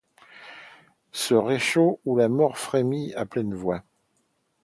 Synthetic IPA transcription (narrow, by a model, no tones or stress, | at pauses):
səʁeʃoulamɔʁfχemiaplɛnvwa